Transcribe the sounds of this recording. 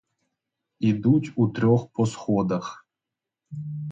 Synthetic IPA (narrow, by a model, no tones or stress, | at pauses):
id̪utʲut̪ɾʲɔxpʰɔsxɔd̪ɐx